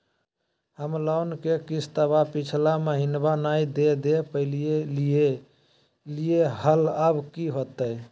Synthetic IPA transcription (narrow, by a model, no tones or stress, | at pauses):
həmlawnkekit͡ʃʰt̪əbapit͡ʃʰlameɦinbanaid̪ed̪epəɪlijelije | lijeɦələbkiɦot̪əj